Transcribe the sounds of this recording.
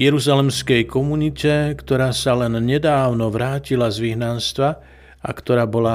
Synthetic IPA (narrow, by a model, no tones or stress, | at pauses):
jɛɾuzalɛmskɛjkɔmunicɛkt̪ɔɾaːsalɛnɲɛd̪aːʊnɔʋɾaːcilazʋiɦnanst̪ʋa | a̰kt̪ɔɾaːbɔla